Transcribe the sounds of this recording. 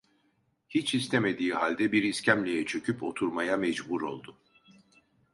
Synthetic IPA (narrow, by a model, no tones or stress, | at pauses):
hit͡ʃʰhist̪ʰeme̞d̪iːhalʲd̪ɛbiɾiscæmlʲijɛt͡ʃʰø̞cʰypo̞̰t̪ʰuɾmajamɛd͡ʒbuɾo̞̰lˠd̪ʊ